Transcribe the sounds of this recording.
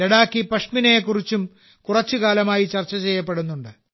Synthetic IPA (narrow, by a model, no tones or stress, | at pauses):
eɽaːkːipɐʂminejekːurit͡ɕːum | kurɐt͡ɕːukaːlɐmaːjit͡ɕɐrt͡ɕːɐt͡ɕe̞jːɐpːe̞ɽunːuɳɖɨ